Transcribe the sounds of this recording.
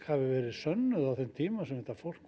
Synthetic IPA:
havɪvɛːɾɪðsœnːʏðawθɛmt̪ʰiːmasɛmhɛht̪afor̥k

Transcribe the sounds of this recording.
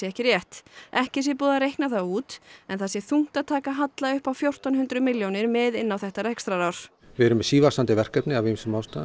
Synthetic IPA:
jɛɛhcɪɾjɛht̪ɛhcɪs̬jɛpuːðaɾejhknaθauːt̪ɛnθasjɛθuŋ̥t̪aðt̪ʰaːkaɦat̪laʏhpawfjowr̥t̪anɦʏnt̪ɾʏmɪljownɪɾmɛðɪnːawθɛht̪aɾɛkst̪ɾaɾawɾ̥ | vɪɛɾʏmːɛsiːvḁsant̪ɪvɛr̥kœpnɪavimsɛmawst̪a

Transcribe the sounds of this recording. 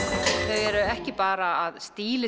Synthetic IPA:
θœɥɣɛɾʏɛhcɪpaːɾaːðst̪iːlɪ

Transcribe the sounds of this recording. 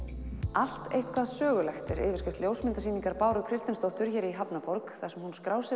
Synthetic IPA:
al̥t̪ḛjht̪kʰvaðsœːɣʏlɛxt̪ɪɾʔɪ̰ːvɪ̥ɾscɪft̪ljowsmɪnt̪asiːniŋkaɾpaːwɾʏkʰɾɪst̪ɪnst̪ɔht̪ʏɾ̥çɛːɾiɦapnapɔɾkθḁsɛmhunskɾaːwsɪ

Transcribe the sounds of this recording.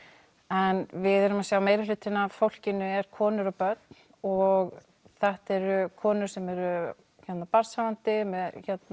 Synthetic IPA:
ɛnvɪðɛɾʏmasjawmeːjɾalʏːt̪ɪnafowl̥cɪnʏɛɾ̥kʰɔːnʏɾapœt̪n̥ | ɔɣ | θɛht̪ɛɾʏkʰɔːnʏɾ̥sɛmɛɾʏ | çɛt̪napaɾsavant̪ɪmɛðçɛt̪n

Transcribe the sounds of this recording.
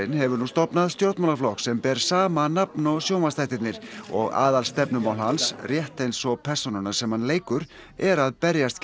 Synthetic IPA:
ɪnhɛvʏɾnuːst̪ɔpnaðst̪joɾt̪manaflɔhksɛmpɛːɾ̥saːmanapnɔsjowmast̪ajht̪ɪt̪nɪɾ̥ɔ̰ɣa̰ːðalst̪ɛpnʏmawɦansrjɛht̪ejnsɔpʰɛr̥sɔnʏnḁsɛmhanleːjkʏɾ̥ | ɛɾaðpɛɾjast̪

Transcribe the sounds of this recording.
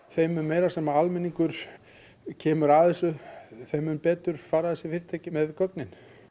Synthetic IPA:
θejmʏmejɾḁsɛːmaalmɛnːiŋkʏɾ̥ | cʰɛːmʏɾaθɛsːʏθejmʏmpɛːt̪ʏɾ̥faːɾaθɛsːɪfɪɾɪ̥t̪ʰɛːcɪmɛðkœknɪn

